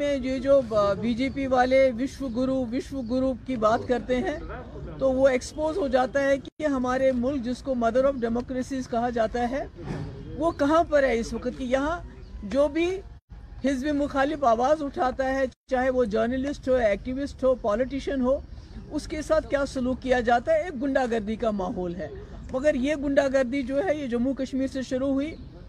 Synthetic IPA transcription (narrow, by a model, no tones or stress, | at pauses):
mẽjed͡ʒoːbiːd͡ʒeːpiʋaːleʋɪʃʋəɡʊɾuːʋɪʃʋəɡʊɾuːp̚kibaːt̪kɐɾt̪eɦɛ̃ː | t̪oʋoeːkspoːzɦod͡ʒaːt̪aɦɛkieɦɐmaːɾemʊlk̚d͡ʒɪskomɐd̪əɾɔːfɖɛːmɔːkɾeːsiːzkɐɦad͡ʒaːt̪aɦɛː | ʋokɐɦãpɐɾɦɛɪsʋɐkət̪kijɐɦã | d͡ʒoːbʱi | hɪzbimʊxaːlɪfaːʋaːzʊʈʰaːt̪aɦɛt͡ʃaːɦeʋod͡ʒəːɾnəlɪsʈɦoːɛːk̚ʈiʋɪsʈɦoːpɔːlɪʈiʃənɦoːʊskesaːt̪̚ʰkjaːsʊluːkːijad͡ʒaːt̪aɦɛeːk̚ɡʊ̃ɳɖaɡɐɾd̪ikamaːɦɔːlɦɛːmɐɡəɾjeɡʊ̃ɳɖaɡɐɾd̪id͡ʒoːɦɛjed͡ʒɐmːukɐʃmiːɾseʃʊɾuɦʊiː